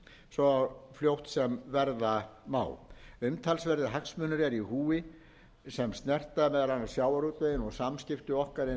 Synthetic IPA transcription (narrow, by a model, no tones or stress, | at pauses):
sɔafljowht̪sɛmvɛɾðama̰ːwʏmt̪ʰalsvɛɾðɪɦaksmʏːnʏɾɛɾiɦuːɪ | sɛmst̪nɛr̥t̪amɛðɾanːasjaːwaɾut̪eɪnɔɣsamscɪft̪ʏɔhkaɾɪ